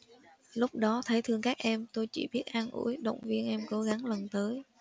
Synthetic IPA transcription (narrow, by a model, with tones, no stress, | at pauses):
lʊ˦˥k͡p̚ɗɔ˨˦t̪ʰə˨˦jt̪ʰɨ˧əŋkaː˦˥k̚ʔɛ˧mt̪o˧jt͡ɕḭ˧˩ɓi˦˥ət̚ʔaː˧nʔṵ˧˩˥jɗə̰˧˨wŋ͡mvi˧ənʔɛ˧mko˨˦ɣa˨˦ŋlə˨˩nt̪əː˨˦j